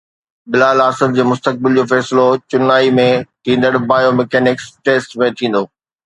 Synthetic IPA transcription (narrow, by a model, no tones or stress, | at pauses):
bɪlaːlaːsɪld͡ʑeːmʊst̪ək̚bɪld͡ʑoːfɛːsɪlot͡ɕʊnaːimẽt̪ʰĩːn̆d̪əɽbaːjomɛkɛːnɪksʈeːsʈmẽt̪ʰĩːn̆d̪oː